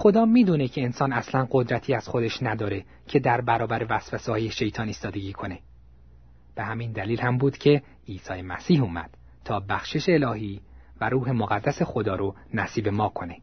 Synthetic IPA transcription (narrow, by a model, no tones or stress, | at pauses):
xo̞d̪ɒːmiːd̪uːnecʰe̞ːnsɒːnæslænɢo̞d̪ɾæt̪ʰiːæz̥xo̞d̪e̞ʃnæd̪ɒːɾe̞ | cʰe̞d̪æɾbæɾɒːbæɾevæsfæsehɒːjeʃe̞jt̪ʰɒːniːst̪ɒːd̪e̞ɟiːkʰo̞ne̞ | b̥e̞hæmind̪æliːlhæmbuːd̪cʰe̞ | iːsɒːjemæ̰siːhuːmæ̰d̪̥ | t̪ʰɒːbæxʃe̞ʃeːlɒːɦiː | væɾuːɦe̞moɣæd̪ːæse̞xo̞d̪ɒːɾo | næsiːbe̞mɒːkʰo̞ne̞